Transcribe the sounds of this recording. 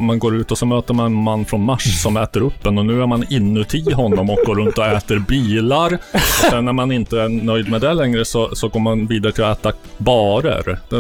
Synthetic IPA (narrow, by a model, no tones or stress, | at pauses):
manɡoːɾʉ̟ːt̪ɔsɔmøːt̪əɾmanɛnmanːfɾɔnmaʂsɔmɛːt̪əɾɵpːd̪ɛnɔnʉ̟ːæɾmanɪnːʉt̪ʰɪɦɔnːɔmɔk̚ɡoːɾɵnt̪ɔɛːt̪əɾbiːlaɾɔsɛnːæɾmanɪnt̪əænœjd̪mɛd̪ɛlɛŋɾəsɔsɔɡoːɾmanviːd̪aɾət̪ʰɪlɔɛːt̪abɑːɾə̰ɾd̪ɛ